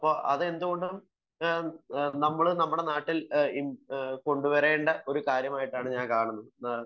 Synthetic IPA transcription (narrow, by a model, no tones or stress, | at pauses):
ɐpːo̞ːʔɐ̰ðɨe̞nd̪uɣo̞ɳɖm | nɐmːɐɭɨnɐmːuɽe̞naːʈːiliko̞ɳɖuʋɐɾe̞ːɳɖɐʔo̞ɾukaːɾjɐmaːjiʈːaːɳɨɲaːnkaːɳunːɐðɨnɐ